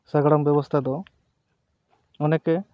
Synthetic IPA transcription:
saɡəɽɔmbjɔbɔst̪ʰad̪ɔ | ɔnɛkɛ

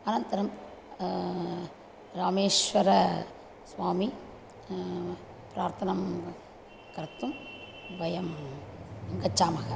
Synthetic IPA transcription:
ɐnɐnt̪ɐɾɐm | ɾaːmeːʂʋɐɾɐ | sʋaːmi | pɾaːɾt̪ʰɐnɐm | kɐɾt̪ːum | ʋɐjɐm | ɐŋɡɐt͡ʃːaːmɐɣɐ

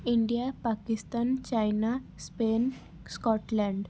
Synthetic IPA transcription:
iɳɖijapakist̪ant͡ɕajnaspen | skɔʈlãɳɖ

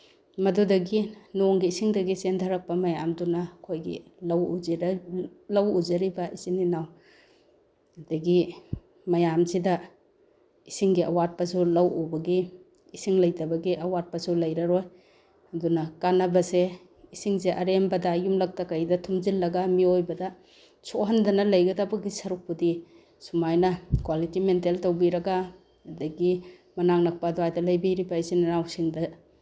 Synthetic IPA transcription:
mɐdudɐɡinoŋɡiːsiŋdɐɡisendʰaɾak̚pɐmɐjamdunakʰojɡḭlawi | lawuzɐɾibaʔisiŋninaw | dɐɡi | mɐjamzida | isiŋɡiɐ̰wat̚pɐsulawobɐɡiː | siŋlajtɐbɐɡiʔɐwat̚pasulajɾaɾoj | ɐdunɐkanɐbɐse | isiŋzeʔɐɾembɐdɐjumlɐk̚tɐkɐjdɐtʰumzilːɐɡamiojbɐdɐ | soɦɐndɐnɐlɐjɡɐdabɐɡisɐɾuk̚pudi | sumajnɐkwalitimenteltowbiɾɐɡaː | dɐɡi | mɐnaŋnɐk̚pɐdɔajdɐlɐjbiɾibɐisiŋɾawsiŋdɐ

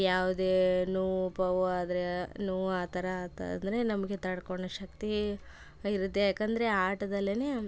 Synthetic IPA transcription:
jaːʋud̪eːnuːpɐʋaːd̪ɐɾenuːaːt̪ɐɾat̪ɐ̰ɐ̰nd̪ɐɾe̞nɐmɐɡe̞t̪ɐɽkoɳːɐʃɐkt̪i | iɾut̪ːejaːkɐnd̪ɐɾe̞aːʈɐd̪ɐlːineː

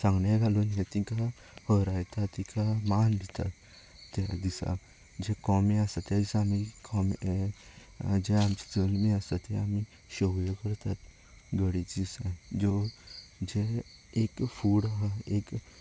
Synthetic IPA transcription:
sãŋɡɳãɡʱalonẽt̪ĩka | həɾajt̪at̪ːĩkʰamanbʱit̪a̰t̪ː | ed̪isa̰ | d͡ʑekɔmiasat̪ad̪isaamikɔme | d͡ʑeamt͡ɕi̥d͡zəlmiasat̪ɛami | ɕəwjəkəɾt̪at̪ | ɡəɽit͡sd̪isãd͡zo | d͡ʑe | ekfuɽaɦaek

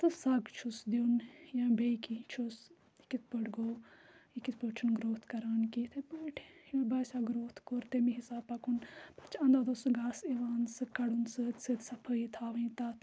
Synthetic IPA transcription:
t̪ɨsɐɡt͡ʃʰusd̪onjãbeːikit͡ʃʰus | ikit̪̚ʰpəɖɡoikit̪pət͡ʃʰunɡɾoːt̪ʰkɐɾaːnkit̪ʰebɐʈʰobaːsaːɡɾoːt̪ʰkoɾt̪emĩɦisaːbpɐkʰunpɐt͡ʃʰɐ̃nd̪aːd̪osɨɡaːsiʋaːnsɨkɐɽunsɨsɨt̪sɐpʰəit̪ʰaːʋɐĩt̪at̪ʰ

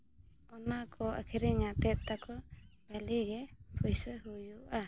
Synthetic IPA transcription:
ɔnakʰɔa̰kʰiɾiŋat̪ɛt̪̚t̪akɔbaliɡɛpʰɔjsəɦujuʔa

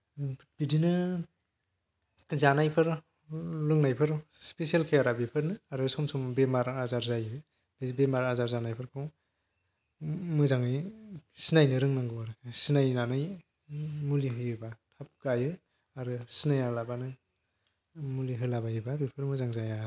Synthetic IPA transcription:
b̥idinɯ | zanajpʰɯɾ | lɯŋnajpʰɯɾspesialkʰejaɾabipʰɯɾnɯaɾɯsɔmsɔmbemaɾazaɾzajɯ | bebemaɾazaɾzanajpʰɯɾkʰɔw | mɯzaŋisinajnɯɾɯŋnaŋɡɯwaɾkʰsinajnanɯj | muliɦɯjɯbatʰap̚ɡajɯ | aɾɯsinajalabanɯ | muliɦɯlabajɯbabipʰɯɾmɯzaŋzaja

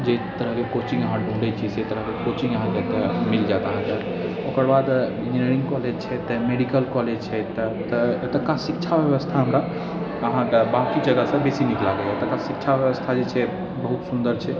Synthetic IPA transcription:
d͡ʒet̪əɾəɦkekot͡ʃĩŋɡəɦãɖʱũɳɖət͡ʃʰiset̪əɾəɦkekot͡ʃĩŋɡəɦãket̪əmild͡ʒat̪əɦãkəɾ | okəɾbad̪ĩnd͡ʒineɾĩŋɡkɔled͡ʒt͡ʃʰɛt̪əmeɽikəlkɔled͡ʒt͡ʃʰɛt̪t̪əet̪əkãsikt͡ʃʰabjəʋəst̪ʰaɦəmɾa | əɦãkbãkid͡ʒəɡəsə̃besiniklaɡeet̪əkãsikt͡ʃʰabjəʋəst̪ʰad͡ʒet͡ʃʰɛ | bəɦut̪sund̪əɾt͡ʃʰɛ

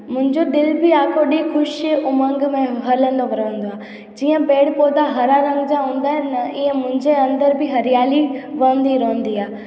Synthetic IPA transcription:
mʊ̃ɦɪ̃ɲd͡ʑoɗ̪ɪlbɪaːkʰoɗixʊʃʔʊmə̃ŋɡmẽɦɐɾlə̃nd̪oʋɐɾəʋə̃nd̪oaː | d͡ʑiːə̃beːɽpoːt̪aɦɐɾaɾə̃ŋɡd͡ʑaɦũːnd̪aːɦɛ̃nɐiə̃mʊ̃ɦɪ̃ɲd͡ʑeɐ̃nd̪əɾbɪɦɐɾijaːliʋɐə̃nd̪iɾoɦə̃nd̪iaː

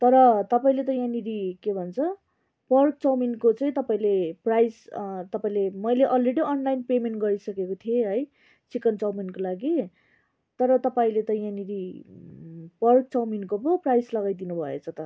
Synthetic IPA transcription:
t̪ʌɾʌt̪ʌpaĩlet̪ʌjãniɾikebʱʌnt͡sʰʌ | pʌrk̚t͡sʌwminkot͡saĩt̪ʌpaĩleprajst̪ʌpaĩlemʌjleʔʌlreɽiʌnlajnpemeɳʈ̚ɡʌɾisʌkekot̪ʰieɦʌj | t͡sikʌnt͡sʌwminkolaɡi | t̪ʌɾʌt̪ʌpaĩlet̪ʌjãniɾi | pʌrk̚t͡sʌwminkoboprajslʌɡajd̪inubʱʌḛt͡sʰʌt̪ʌ

